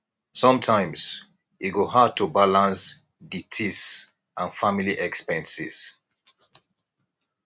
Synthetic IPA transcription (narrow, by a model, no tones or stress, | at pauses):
sɔ̃mtʰãɪ̃mz̥ | iɡoɦad̚tʰubalãns | ditʰis | ʔãnfamiliʔɛkspɛ̃nsḭz̥